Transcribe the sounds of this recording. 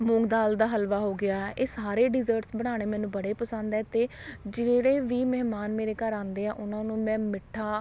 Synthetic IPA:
mʊ̃ːŋɡd̪aːld̪aːɦəlʋaːɦoːɡɪaːɛːʔeːsaːɾeːɖɪzəɾʈsbəɽ̃aːɽ̃eːmɛːnũːbəɽeːpəsə̃nd̪ɛːt̪eː | d͡ʒeːɽeːʋiːməɦmaːnmeːɾeːkəɾãːnd̪eːɛːʔʊnãːnũːmɛ̃ːmɪʈʰːaː

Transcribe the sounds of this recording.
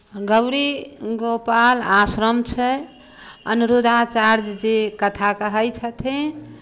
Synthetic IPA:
ɡəwɾiɡopalasɾəmt͡ʃʰɛ | ənuɾud̪ʱat͡ʃaɾd͡ʒd͡ʒekət̪ʰakəɦəjt͡ʃʰət̪ʰẽ

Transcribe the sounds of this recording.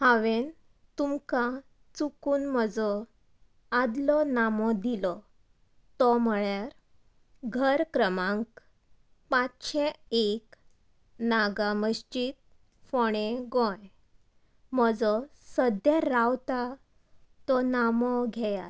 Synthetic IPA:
haʋen | t̪umkã | t͡sukuːnməd͡zɔ | ad̪lɔnamɔd̪ilɔ | t̪ɔm̤əɭjaɾ | ɡʱəɾkɾəmãŋk | pãt͡sɕẽek | naɡaməɕt͡ɕiːt̪̚ | foɽ̃eɡɔ̃j | m̤əd͡zɔ | səd̪jaɾawt̪a | t̪ɔnamɔɡʱɛja

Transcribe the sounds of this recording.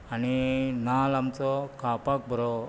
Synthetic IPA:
aninalamt͡sɔkapak̚bʱəɾɔ

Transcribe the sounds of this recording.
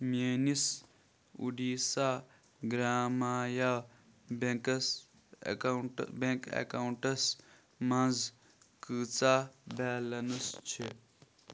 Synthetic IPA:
meːnis | ṵɖiːsaː | ɡɾaːmaːjaː | bekɐs | bẽŋkḛkauɳʈɐs | mãnz | kɨːt͡saːbɛːlɐnust͡ʃʰe

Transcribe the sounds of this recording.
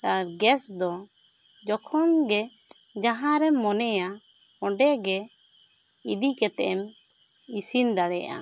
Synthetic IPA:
kaɾɡɛsd̪ɔ | d͡ʒɔkʰɔnɡɛd͡ʒaɦãɾɛmɔnɛjaɔɖɛɡɛ | id̪ikɛt̪ɛʔɛm | isind̪aɽɛjʔa̰

